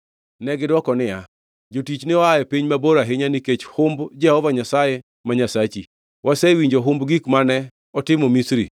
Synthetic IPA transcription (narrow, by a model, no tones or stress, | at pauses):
nɛɡɪdwɔkɔnɪa | d͡ʒotit͡ʃnɪɔajɛpiɲmaboɾaɦɪɲaniket͡ʃhʊmbd͡ʒɛhɔvaɲasajɛ | maɲasat͡ʃi | wʔasɛwiɲd͡ʒoɦʊmbɡikmanɛ | ɔtɪmɔmisɾḭ